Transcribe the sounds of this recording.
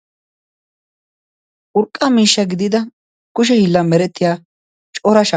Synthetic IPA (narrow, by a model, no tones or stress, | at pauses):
ʔʊɾkʼːɐmiːʃːɐɡɪd̪ɪd̪ɐ | kʊʃ̬ɛhɪlːɐmɛɾɛt̪ːɪjaː | t͡ʃʼɔɾɐʃɐ